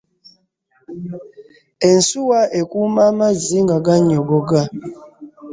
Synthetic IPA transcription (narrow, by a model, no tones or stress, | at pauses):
en̩suwaekumamaziŋɡaɡaɲɔɡɔɡa